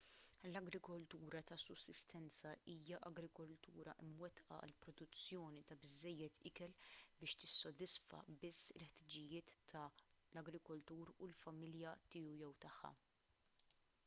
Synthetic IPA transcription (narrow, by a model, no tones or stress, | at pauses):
lɐɡɾɪkɔlt̪uːɾɐt̪ɐsʊsːɪst̪ɛnt͡sɐʔiːjɐʔɐɡɾɪkɔlt̪ṵːɾɐʔɪmwɛt̪ʔɐ̰ɐ̰lpɾɔd̪ʊt͡sːjɔːnit̪ɐbɪzːɛjːɛt̪ʰɪkɛlbɪːʃt̪ɪsːɔd̪ɪsfɐ̰bɪsːɪlħt̪ɪd͡ʒɪjɪːt̪ːɐlɐɡɾɪkɔlt̪uːɾulfɐmɪljɐt̪ɪːujɛwt̪ɐħːɐ̰